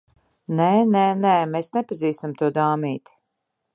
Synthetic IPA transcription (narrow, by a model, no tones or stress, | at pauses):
neneːneːmeːsnɛpaziːst̪amt̪uɔd̪aːmiːt̪i̥